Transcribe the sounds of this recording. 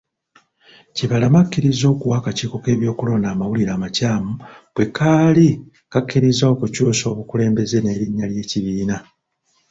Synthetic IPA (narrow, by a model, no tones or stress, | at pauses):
ciβalamakːiɾizo̞ːkuwaːkaciːko̞ke̞ːβjo̞ːkulo̞naːmawuliɾaːmacaːmubwe̞kaːli | kakːiɾizaokucuːso̞ːβukule̞ːmbe̞ze̞ne̞ːɾiɲːalje̞ːciβiːna